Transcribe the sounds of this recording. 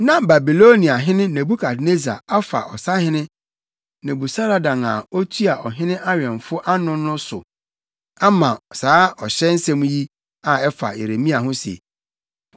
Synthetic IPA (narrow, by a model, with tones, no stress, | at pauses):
nã˦ba˨bi˨lo˦nĩ˨a˨ɦɪ̃˦nɪ̃˦nẽ˨bu˦kʰa˨dne˦za̰˨a˦fa̰˨ʔɔ˨sa˦hɪ̃˦nɪ̃˦ | nẽ˨bu˨sa˦ɾa˨dã˨ŋa̰˨ɔ˦t̪ʰu˦a˨ʔɔ˨ɦɪ̃˦nɪ̃˦ʔa˦ɥɛ̃˨ɱ˨fʊ˦ʔa˦nʊ̃˦nʊ̃˦sʊ̰˨ | a˦mã˨saː˨˦ɔ˨ɕɛ˦n̩˦sɛ̃˦m̃˦ji˦ | a˨ɛ˦fa̰˨ḛ˨ɾe˨mĩ˦a˨ɦʊ̃˦sḛ˨